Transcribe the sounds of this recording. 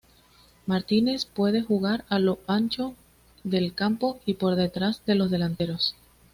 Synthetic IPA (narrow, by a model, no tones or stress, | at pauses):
maɾt̪ine̞spwe̞ðe̞xuɣ̞aɾalo̞ant͡ʃo̞ | ðe̞lkampo̞ipo̞ɾðe̞t̪ɾazðe̞lo̞zðe̞lant̪e̞ɾos